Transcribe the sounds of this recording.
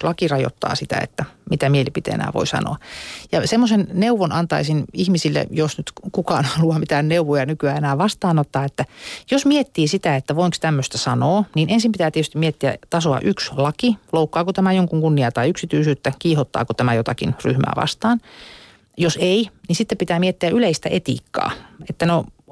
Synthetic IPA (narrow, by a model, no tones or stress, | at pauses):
lɑkirɑjo̰t̪ːɑ̰ːsit̪æ̰ḛt̪ːæmit̪æmielipit̪ḛḛnæ̰ːʋo̰isɑ̰no̰ɑjɑsemːosenneuʋonɑnt̪ɑisinihmisilːḛjosnyt̪kukɑːnhɑluɑmit̪ænneuʋojɑnykyæːenæːʋɑst̪ɑːnot̪ːɑːet̪ːæjosmiet̪ːiːsit̪æet̪ːæʋoiŋkst̪æmːøst̪æsɑnoːniːnensimpit̪æːt̪iet̪yst̪imiet̪ːiæ̰t̪ɑsoɑ̰ʔykslɑkiloukːɑːkut̪æmæjoŋkuŋkunːiɑt̪ɑiyksit̪yːsyːt̪ːækiːhot̪ːɑ̰ːkot̪æmæjot̪ɑkḭnry̰hmæ̰ːʋɑ̰st̪ɑːn | joseininsit̪ːepit̪æːmiet̪ːiæʔyleist̪æ̰ʔet̪ḭːkːɑ̰ːet̪ːæno